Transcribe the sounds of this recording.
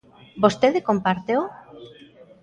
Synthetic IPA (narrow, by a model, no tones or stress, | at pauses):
bost̪eðekompaɾt̪eo